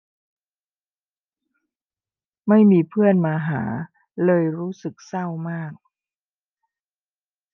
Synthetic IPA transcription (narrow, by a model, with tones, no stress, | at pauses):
ma˥˩jmiː˧pʰɯ˥˩ənmaː˧ɦa̰ː˩˦ | lɤː˧jɾuː˦˥sɯ˨˩k̚sa˥˩wmaː˥˩k̚